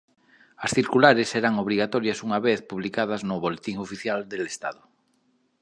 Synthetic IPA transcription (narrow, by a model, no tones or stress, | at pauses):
ɐsθiɾkulaɾeseɾaŋoβ̞ɾiɣat̪ɔɾjasuŋaβeθpuβlikað̞aznʊβolet̪iŋofiθjald̪elest̪aðʊ